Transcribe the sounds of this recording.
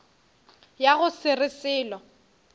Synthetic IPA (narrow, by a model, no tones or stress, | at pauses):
jaɣʊsɪrɪsɪːlɔ